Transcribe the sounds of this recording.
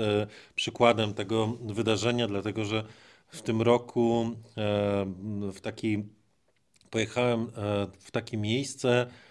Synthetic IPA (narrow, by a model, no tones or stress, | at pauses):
pʂɘkwad̪ɛmt̪ɛɡɔvɘd̪aʐɛɲad̪lat̪ɛɡɔʐɛ | ft̪ɘmɾɔkʰu | ft̪akʲi | pɔjɛxawɛmft̪akʲimʲjejst̪sɛ